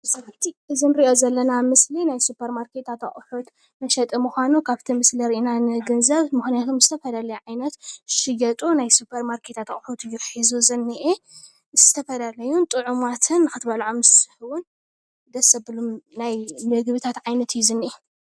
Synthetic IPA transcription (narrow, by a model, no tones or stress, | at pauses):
sɐɾɐħt̪ʰiʔɨzɨnɾiʔozɐlːɐnamɨslinajsupʰɐɾmaɾkʰet̪ʰat̪aχʼħut̪ | nɐʃɐt̪ʼɨmuxʷanukʰaβt̪ʰimɨsliɾʔinanɨɡɨnzɐβmɨxnijat̪ʰomzɨt̪ʰɐfɐlalɐjʕajnɐt̪ʃɨjɐt̪ʼunajsupʰɐɾmaɾkʰet̪ʰat̪ɐkʼħut̪jɪɾħizuzɨnːiʔe | z̥ɨt̪ʰɐfɐlalɐjunt̪ʼɨʕumat̪ʰɨnːɨxɨt̪balʕomɨsɨħɨwʊn | d̪ɐsɐbɨlumnajnɨɡβɨt̪ʰat̪ʕajnɐt̪ʰɨjːuzɨnːiʔe